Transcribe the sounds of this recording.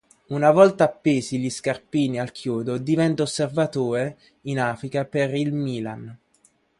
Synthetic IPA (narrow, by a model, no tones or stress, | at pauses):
unavɔlt̪aːpːeːsiʎiskarpiːnialkʰjuːd̪od̪ivɛnt̪aosːervat̪oːɾe | inaːfɾikaperilmiːlan